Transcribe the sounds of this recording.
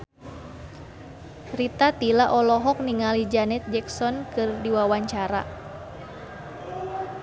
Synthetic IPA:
rit̪at̪ilaʔɔlɔɦɔk̚niŋalid͡ʒanɛt̪̚d͡ʒɛksɔnkɨrdiwawaɲt͡ʃaɾa̰

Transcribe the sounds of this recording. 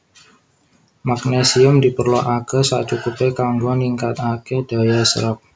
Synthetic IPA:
mak̚nesiʊmdipərlɔʔakəsat͡ʃukupekaŋɡuaniŋkat̪akedajasəɾəp̚

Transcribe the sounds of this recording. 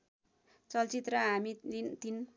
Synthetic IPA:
t͡sʌlt͡sit̪rʌɦaminint̪in

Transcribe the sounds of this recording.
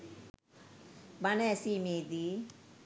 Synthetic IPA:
banɛsimed̪i

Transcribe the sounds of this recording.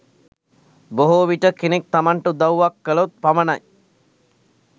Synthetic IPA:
boɦoʋiʈəkenek̚t̪amaɳʈəd̪awuʋakːəlot̪̚pamənaj

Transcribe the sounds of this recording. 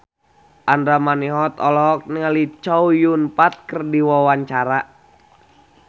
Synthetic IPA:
ʔandɾamaniɦɔt̪ɔlɔk̚niŋalit͡ʃɔujunpat̪̚kərdiwɔwaɲt͡ʃaɾa

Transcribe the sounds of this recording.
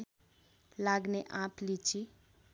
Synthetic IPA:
laːɡneʔãpʰlit͡ʃʰi

